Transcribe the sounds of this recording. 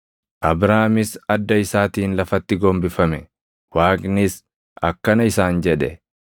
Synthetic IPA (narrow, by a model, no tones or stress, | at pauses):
ʔɐbɾaːmɪsɐd̪ːɐɪsaːt̪iːnlɐfɐt̪ːɪɡombɪfɐmɛ | waːkʼnɪs | ʔɐkːɐnɐɪsaːnd͡ʒɛᶑɛ